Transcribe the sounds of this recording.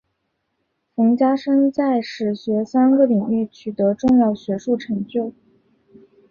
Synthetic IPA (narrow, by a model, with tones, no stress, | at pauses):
fɤ˧˥ŋt͡ɕja˥ʂɤ˥ŋt͡sa˥˩ɪʂɻ̩˨˩ɕɥɛ˧˥sa˥nɡə˥˩li˨˩ŋy˥˩t͡ɕʰy˨˩t̪ɤ˧˥ʈ͡ʂʊ˥˧ŋjɑ˥˩ʊɕɥɛ˧˥ʂu˥˩ʈ͡ʂʰɤ˧˥ŋt͡ɕjo˥˩ʊ